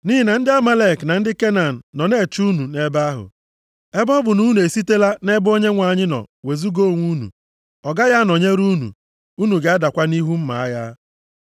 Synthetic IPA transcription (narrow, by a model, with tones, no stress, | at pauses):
ni˦ɪ˨na˨n̩˦dɪ˦a˦ma˦le˦˨kna˨n̩˦dɪ˦ke˦na˨n̩ː˨ɔ˨ne˦˨t͡ʃu˦nu˨ne˦ba˦ɦʊ̰˨ | e˦bɔ˦bʊ˨nu˦nu˨e˨si˦te˦la˦ne˦bo˦ɲe˦ŋʷa˨ɲɪ˦nɔ̰˨we˨zu˦ɡo˦˨ŋʷu˦nṵ˨ | ɔ˨ɡa˦ja˦nɔ˨ɲe˦ɾu˦nṵ˨ | u˦nu˨ɡe˨a˦da˨kʷa˦ni˦ɦu˦m̩˦ma˨a˦ja˦